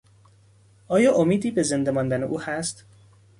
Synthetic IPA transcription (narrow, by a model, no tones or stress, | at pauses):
ʔɒːjɒːʔomiːd̪iːbe̞ze̞nd̪emɒːnd̪æneʔuːhæst̪